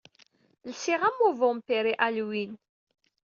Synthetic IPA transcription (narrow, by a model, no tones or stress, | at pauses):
lsiʁæmːuvʊmpiɾiʔælwin